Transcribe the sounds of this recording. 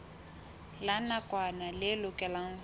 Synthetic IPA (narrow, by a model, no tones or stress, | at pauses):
lanakʼwanalɪlʊkʼɛlaŋ̩